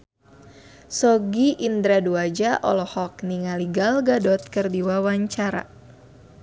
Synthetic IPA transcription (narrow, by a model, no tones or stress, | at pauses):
sɔɡiʔind̪ɾaduad͡ʒaʔɔ̰lɔhɔk̚niŋaliɡalɡadɔt̪̚kərdiwawaɲt͡ʃaɾa̰